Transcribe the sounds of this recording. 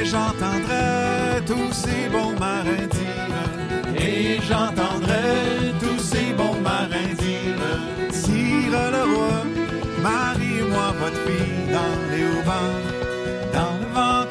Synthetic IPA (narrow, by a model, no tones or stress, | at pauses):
ʒɑ̃t̪ɑ̃d̪ʁɛt̪usebɔ̃maʁɛ̃d̪i | ʁə | eʒɑ̃t̪ɑ̃d̪ʁɛt̪usebɔ̃maʁɛ̃d̪ivʁə | siʁələvwa | maʁimwavɔt̪fid̪ɑ̃ | leovɑ̃ | d̪ɑ̃ləvɑ̃